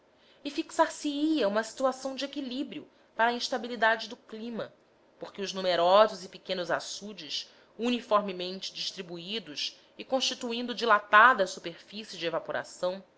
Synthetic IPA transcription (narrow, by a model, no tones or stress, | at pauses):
ɪfiksaɾsiiɐũmɐsi̥t̪uasɐ̃w̃d͡ʒɪekilibɾiʊ | paɾɐĩʃt̪abilid̪ad͡ʒɪd̪ʊklĩmɐ̰ | poχkʲɪʊʒnumeɾɔzʊzɪpikẽnʊza̰sud͡ʒɪs | unifoɾmimẽnt͡ʃɪ̥d͡ʒiʃt̪ɾibuid̪ʊʃ | ɪkõʃt͡ʃit̪uĩnd̪ʊd͡ʒilat̪ad̪ɐsupeɾfisɪd͡ʒɪevapoɾa̰sɐ̃w̃